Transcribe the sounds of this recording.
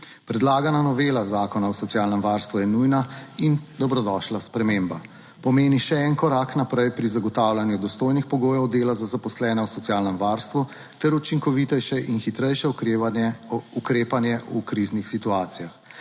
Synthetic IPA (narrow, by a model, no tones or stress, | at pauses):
pɾɛd̪laːɡananɔʋeːlazaːkɔnawsɔt̪sjaːlnɛmʋaɾst̪ʋujɛnujnaind̪ɔbɾɔd̪ɔʃlaspɾɛmeːmba | pɔmeːniʃɛɛnkɔɾaknapɾɛjpɾizaɡɔt̪aːwlanjud̪ɔst̪oːjnixpɔɡoːjɔwd̪eːlazazapɔslɛːnɛwsɔt̪sjaːlnɛmʋaːɾst̪ʋu | t̪ɛɾut͡ʃiŋkɔʋit̪ɛʃɛʔinxit̪ɾɛjʃɛ | ukɾeːpanjɛukɾiznixsit̪uaːt̪sijax